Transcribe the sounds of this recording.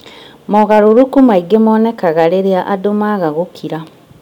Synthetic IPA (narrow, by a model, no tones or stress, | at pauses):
mɔɣaɾoɾukumaiɡemɔːnɛkaɣaɾeɾeaʔadomaɣaɣokʰiɾa